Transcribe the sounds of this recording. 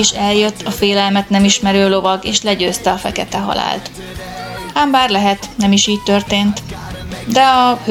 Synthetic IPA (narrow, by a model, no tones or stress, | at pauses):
iʃɛljøt̪ːɒfeːlɛlmɛt̪nɛmiʃmɛɾøːlo̞vɒɡeːʃlɛɟøːst̪ɛɒfɛ̰kɛt̪ɛɦɒ̰la̰ːlt̪ | aːmbaːrlɛɦɛt̪nɛmiʃiːc̚t̪ørt̪eːnt̪ | d̪ɛɒh